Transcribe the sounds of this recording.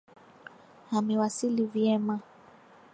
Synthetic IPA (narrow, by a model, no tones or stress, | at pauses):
hamiwasilivjɛma